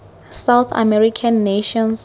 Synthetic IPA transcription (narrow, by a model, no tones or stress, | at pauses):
sawθa̰mɛɹikʰãnːeʃɔ̃ns